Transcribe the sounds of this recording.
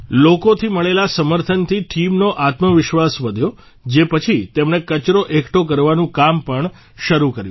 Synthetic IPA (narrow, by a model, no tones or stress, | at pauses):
lokot̪ʰiməɭelasəməɾt̪ʰənt̪ʰiʈʰimnoʔat̪məʋɪʃʋasʋəd̪ʱjo | d͡ʒepət͡ʃʰit̪emɳekət͡ʃɾoʔekʈok̬əɾʋanũkampəɳ | ʃəɾukəɾjũ